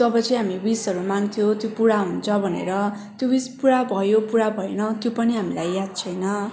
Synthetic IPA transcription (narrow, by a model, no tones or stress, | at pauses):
t̪ʌbʌt͡sʌj̃ɦamibisɦʌɾumaŋt̪ʰjot̪jopuɽaɦunt͡sʰʌbʱʌnḛɾʌ | t̪jobispuɽabʱʌjopuɽabʱʌenʌt̪jopʌniɦamilajːad̪̚t͡sʰʌjnʌ